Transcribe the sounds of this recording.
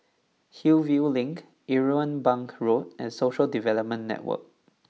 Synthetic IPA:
hilvjulĩŋk | ʔiɹoə̃nbãŋkɹot̚ɛ̃nsoʃəldivɛləp̚mə̃nːɛ̰t̚wə̰k̚

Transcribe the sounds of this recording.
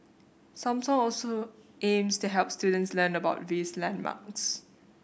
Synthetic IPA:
sãmsɔ̃ŋɔlso | ʔẽmstuɦɛlˠp̚studə̃ntslənəbaʊtvislɛ̃nma̰ks

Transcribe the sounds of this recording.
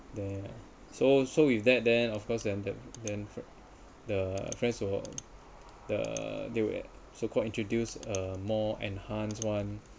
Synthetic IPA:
dɛ | sosowifdɛt̚dɛ̃nɔfkʰɔsdɛ̃ndɛtdɛ̃nf | dəfɹɛ̃nswə | də̰dewɛ̰ | sokʰɔlĩntʰɹodjusəmɔɛ̰̃nhãnswãn

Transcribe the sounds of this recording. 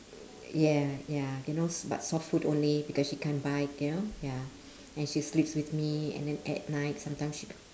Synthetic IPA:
jɛjajunosba̰tsɔffutõnlibikɔsʃikʰɛ̃nbaɪk̚junoja | ɛ̃nʃislipswiθmiɛ̰̃ndɛ̃nɛ̰t̚naɪt̚sãmtãɪ̃msʃi

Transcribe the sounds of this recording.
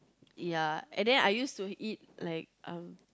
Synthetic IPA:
jaɛ̰̃ndɛ̃na̰jjustuit̚laɪk̚ʔʌ̃m

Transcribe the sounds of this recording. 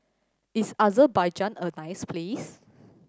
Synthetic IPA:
isazəbajd͡ʒãnənajsplis

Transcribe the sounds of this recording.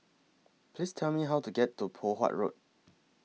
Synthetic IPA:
pʰlistʰɛlmiɦaʊtuɡɛtːupʰoɦa̰ʔɹo̰t̚

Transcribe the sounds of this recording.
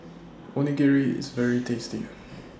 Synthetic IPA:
ɔniɡɛɹiɪ̰zvɛɹitʰestḭ

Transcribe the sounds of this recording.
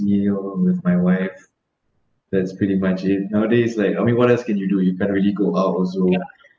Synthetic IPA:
ilwɪðmaɪwaɪf | dɛtspɹiɾimat͡ʃɪt̚naʊədeslaɪkaɪmĩnwɔtɛlskɛ̃njudujukʰɛ̃ntɹiəliɡoʔaʊtɔlso

